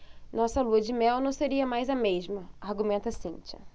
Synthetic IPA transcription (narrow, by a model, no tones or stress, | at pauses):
nɔsɐluɐd͡ʒɪmɛwnɐ̃w̃seɾiɐmajzɐmeʒmɐaɾɡumẽnt̪ɐsĩt͡ʃɐ̰